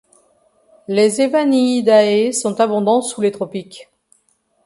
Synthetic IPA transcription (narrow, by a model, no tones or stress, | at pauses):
lezevaniːd̪aesɔ̃t̪abɔ̃d̪ɑ̃sulet̪χɔpik